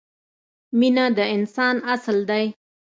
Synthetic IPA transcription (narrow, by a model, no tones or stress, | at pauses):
minad̪əɪnsɑnasld̪aj